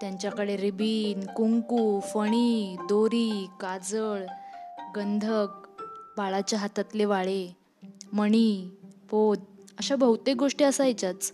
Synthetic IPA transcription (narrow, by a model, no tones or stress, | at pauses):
t̪jaɲt͡ɕjakəɽeɾibiːnkuŋkuːfəɽ̃iːd̪oɾiːkad͡zəɭɡənd̪ʱək̚baɭat͡ɕjaɦat̪at̪leʋaɭe | məɳ̃iːpod̪əɕabəɦut̪eɡoʂʈiəsaajt͡ɕat͡s